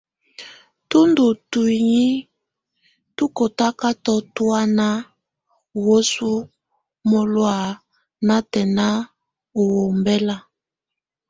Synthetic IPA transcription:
tu˦ndu˨tu˨i˨ɲi˦ | tu˦ko˨ta˦ka˦tɔ˦tu˦a˦na˦˨ | wo˦su˦ | mo˨lwa˨ | na˦tɛ˨na˦ | o˨wo˨mbɛ˦la˨

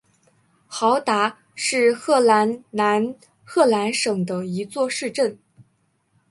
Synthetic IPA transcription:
xɑ˧˥ʊt̪a˧˥ | ʂɻ̩˥˧xɤ˥˩la˧˥nna˧˥n | xɤ˥˩la˧˥nʂɤ˨˩ŋd̪ə˦i˧˥t͡swɔ˥˧ʂɻ̩˥˧ʈ͡ʂə˥˩n

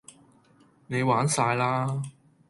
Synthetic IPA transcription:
ne˨˧jwaː˨˥nsaː˧jlaː˥

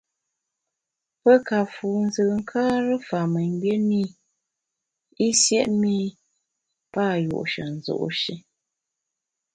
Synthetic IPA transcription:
pə˦ka˨fuː˨n̩˦zɨ˨ŋ̩˦kʰaː˦ɾə˦fa˨mə˨ŋ˦bje˦ni˦˨ | i˦sjɛ˦ʔmi˦ | pa˦˨jṵ˨ʔʃə̰˨n̩˨zo̰˨ʔʃi˦

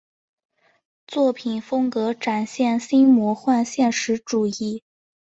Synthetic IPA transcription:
t͡swɔ˥˩pʰi˨˩nfɤ˥ŋkɤ˧˥ʈ͡ʂa˨˩nɕjɛ˥˩nɕi˥ŋmwɔ˧˥xwa˥˧nɕjɛ˥˩nʂɻ̩˧˥ʈ͡ʂu˨˩i˥˩

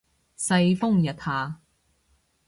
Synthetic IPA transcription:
sɐ˧jfʊ˥ŋjɐ˨˩t̪̚haː˨˧

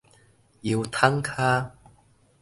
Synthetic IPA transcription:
ji˧wt̪ʰɐ˥ŋkʰaː˥

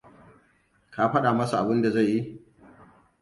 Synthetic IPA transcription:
kaː˦ɸɐ˦ɗa˨mɐ˦su˨ʔa˨bɪ˦nda˨za˦˨jːi˦

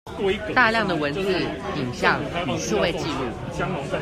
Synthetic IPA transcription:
t̪a˥˧ljɑ˥˩ŋd̪ə˩wə˧˦˥nt͡sɹ̩˥˩i˨˩ŋɕjɑ˥˩ŋ˨˩ʂu˥˧we˥˧ɪt͡ɕi˥˧lṵ˥˩

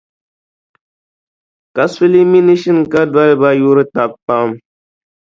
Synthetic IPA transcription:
ka˨su˦li˦mi˦ni˦ʃi˦nka˦dwa˦lba˦ju˦ɾɨ˦ta˨bpa˦m

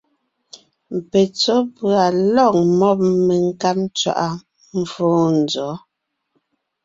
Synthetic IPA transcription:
m̩˨pe˨t͡so˦pɰa˨lɔ˦˨ŋ̚mɔ˦p̚me˨ŋ˦ka˦pt͡ʃwa̰˨ʔa˨ | m̩˦foː˦n̩˨d͡zɔ˨˦

